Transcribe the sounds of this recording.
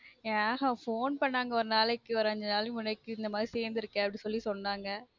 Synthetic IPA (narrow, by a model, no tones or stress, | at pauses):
ɦafoːnpɐɳːaːŋɡɐɔɾɯnaːlɛkːɯɔɾɐɲd͡ʒɐnaːlmʊnɛkːɯɪnd̪ɐmaːd̪ɾiseːɾnd̪ɪɾɯkːẽɐpːɐɽĩsɔlːisɔnːaːŋɡɐ